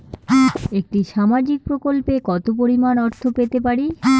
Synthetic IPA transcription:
ek̚ʈiʃamad͡ʑik̚pɾokolpekɔt̪op̬oɾimanɔɾt̪ʰopet̪epaɾi

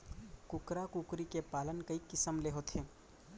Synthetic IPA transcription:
kʊkɾakukɾikepaːlənkəikːɪsəmleɦot̪ʰẽ

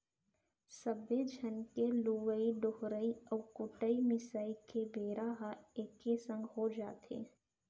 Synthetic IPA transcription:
səbed͡ʒʱənkeluːwəiɖoɦɾəiɔːkʊʈəimɪsaːikebeːɾaːɦaeːkːesə̃ŋɡɦod͡ʒa̰ːt̪ʰḛː

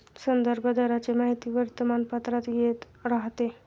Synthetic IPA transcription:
sənd̪əɾbʱəd̪ʱaɾat͡ɕemaɦit̪iːʋəɾt̪əmanpət̪ɾat̪jet̪ | ɾaɦt̪e

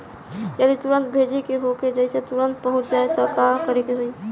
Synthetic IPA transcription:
jəd̪it̪uɾənt̪bʱed͡ʒekeɦoked͡ʒəɪset̪uɾənt̪̚pəɦʊ̃t͡ʃd͡ʒaet̪ɔkakəɾekeɦoi

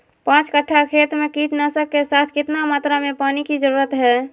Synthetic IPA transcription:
pãt͡ʃkəʈʰːakʰet̪mekiʈnasəkːesat̪ʰkɪt̪namat̪ɾamepanikid͡ʒəɾuɾət̪ɦɛ

